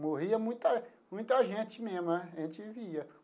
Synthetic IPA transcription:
moɦiɐmũj̃t̪ɐ | mũj̃t̪ɐʒẽt͡ʃɪmẽmɐẽt͡ʃɪiviɐ

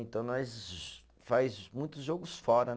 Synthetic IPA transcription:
ẽnt̪ɐ̃w̃nɔs | fajzmũj̃t̪ʊzʒoɡʊsfɔɾɐn

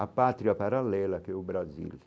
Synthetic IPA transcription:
apːaːt̪ɾijapaɾalːɛːlakɛubɾazḭl

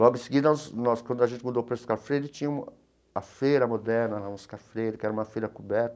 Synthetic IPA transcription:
lɔɡʊɪ̃sɪɡid̪ɐsnɔskwɐ̃nd̪ʊaʒẽnt͡ʃ̪ɪmɐ̃d̪opɾɐɪskaɾfɾejd̪ɪt͡ʃĩɲũ | ɐfejɾɐmod̪ɛɾnɐnɐũskaɾfɾejd̪ɪkɪɛɾɐũmɐfejɾɐkubɛɾt̪ɐ̥

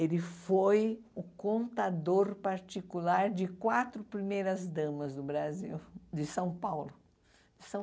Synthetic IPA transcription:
elɪfojʊkõnt̪ad̪oɾpaɾt͡ʃ̪ikulaɾd͡ʒɪkwat̪ɾʊpɾimejɾɐzd̪ɐ̃mɐzd̪ʊbɾaziwd͡ʒ̪ɪsɐ̃w̃pawlʊ | d͡ʒɪsɐ̃

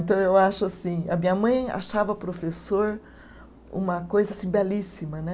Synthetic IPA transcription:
t̪ɐ̃w̃ewaʃʊasĩɐ̰mĩɲɐmɐ̃j̃a̰ʃavɐpɾofesoɾ | ṵ̃mɐkojzɐasĩbɛlisimɐnɛ

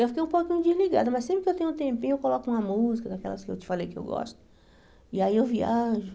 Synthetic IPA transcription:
ewfikejũpokĩɲʊd͡ʒizliɡa̰d̪ʊmɐsẽpɾɪkɪewt̪ẽɲũt̪ẽmpĩɲʊewkolɔkʊũmɐmuzikɐd̪akɛ̰lɐskɪḛwt͡ʃɪ̥falejkɪḛwɡɔ̰ʃt̪ʊ̥ | ɪaiewviaʒʊ

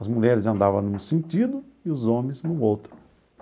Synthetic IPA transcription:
ɐzmuʎɛɾɪzɐ̃nd̪avɐ̃nũsẽnt̪id̪ʊ | ɪʊzõmẽznʊowt̪ɾʊ̥

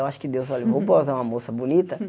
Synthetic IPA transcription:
waʃʊ̥kɪd̪ewzɔlɐvõwpozaũmɐmosɐbunit̪ɐ

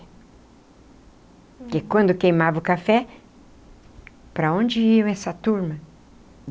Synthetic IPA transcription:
kɪkwɐ̃nd̪ʊkejmavɐʊkafɛ | pɾɐõd͡ʒɪiɐ̃w̃ɛsɐt̪uɾmɐ

